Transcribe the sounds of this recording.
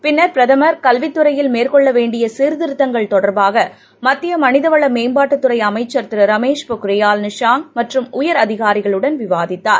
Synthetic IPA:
pɪnːɐɾpɾɐðɐmɐɾkɐlʋɪt̪ːɯɾɐjɪlmeːɾkɔɭːɐʋeːɳɖɪjɐsiːɾðɪɾɯt̪ːɐŋɡɐɭt̪ɔɽɐɾbaːɣɐ | mɐt̪ːɪjɐmɐnɪðɐʋɐɭɐmeːmbaːʈːɯt̪ːɯɾɐɪɐmɐɪt͡ʃːɐɾt̪ɪɾɯɾɐmeːʂpʊkɾɐjaːlnɪʂaːŋmɐʈrɯmʊjɐɾɐðɪɣaːɾɪɣɐɭɯɽɐnʋɪʋaːðɪt̪ːaːɾ

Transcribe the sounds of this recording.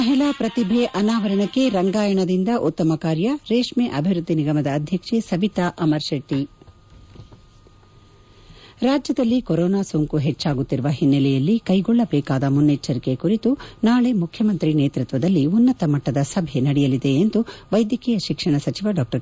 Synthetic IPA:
mɐɦɛlaːpɾɐt̪ibʱeʔɐnaːʋɐɾɐɳɐkːe̞ɾɐŋɡaːjɐɳɐd̪ind̪ɐʔut̪ːɐmɐkaːɾjɐɾeːʂmeʔɐbʱiʋɾud̪ʱːiniɡɐmɐd̪ɐːd̪ʱjɐkʂesɐʋit̪aʔɐmɐɾʃeʈːi | ɾaːd͡ʒjɐd̪ɐlːikɔɾɔːnaːsoŋkuɦet͡ʃːaːɡut̪ːiɾuʋɐɦinːɛlɛjɐlːikɐjɡɔɭːɐbɛːkaːd̪ɐmunːet͡ʃːɐɾike̞kuɾit̪unaːɭe̞mukʰjɐmɐnt̪ɾineːt̪ɾut̪ʋɐd̪ɐlːiunːɐt̪ɐmɐʈːɐd̪ɐsɐbʱenɐɽɛjɐlid̪e̞ːnd̪uʋɐjd̪jɐkɛjɐʃikʂɐɳɐsɐt͡ʃiʋɐɖaːk̚ʈɐɾ

